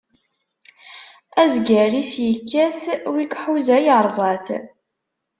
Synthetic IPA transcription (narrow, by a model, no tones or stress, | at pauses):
æzɡæɾisjəkːæθwikħuzæjəɾˤzˤɑθ